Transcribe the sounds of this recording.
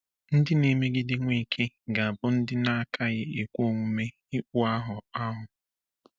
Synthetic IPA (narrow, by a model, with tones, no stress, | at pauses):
n̩˦dɪ˦ne˨me˦ɡɪ˦dɪ˦ŋʷe˦˨kʰe˦ | ɡa˨a˨bʊ˦n̩˦dɪ˦na˦a˨kʰa˦ɣɪ˦e˨kʷo˦˨ŋʷu˦me˦ | i˦k͡pʷʊ˦a˦ɦʊ˨a˦ɦʊ˨